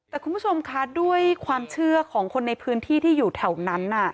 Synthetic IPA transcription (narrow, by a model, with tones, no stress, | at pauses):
t̪ɛː˨˩kʰu˧nbʰu˥˩o˧mkʰa˦˥du˥˩əjkʰwaː˧mt͡ɕʰɯ˥˩ɐkʰɔː˩˦ŋkʰo˧nːa˧jpʰɯː˦˥nt̪ʰiː˥˩t̪ʰiː˥˩juː˨˩t̪ʰɛ˨˩wna˦˥nʔa˨˩